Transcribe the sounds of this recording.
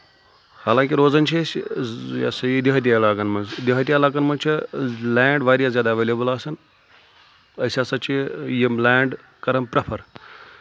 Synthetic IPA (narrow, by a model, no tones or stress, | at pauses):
haːlãːŋkʲiɾoːzɐnt͡ʃʰisʲ | a̰sɐjid̪iɦɐt̪̬ijaɐlaːkɐnmɐnzd̪iɦɐt̪̬ijaːlaːkɐnmɐnt͡ʃʰilɛːɳɖʋaːɾijazjaːd̪aʋeːlʲebulaːsɐn | ɐsʲaːsɐt͡ʃʰijimlɛːɳɖ | kɐɾɐmpɾɐpʰɐɾ